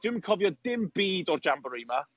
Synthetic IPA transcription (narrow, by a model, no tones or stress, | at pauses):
d̥wɪmənkʰɔvjɔdɪmbiːdɔrd͡ʒambəɾima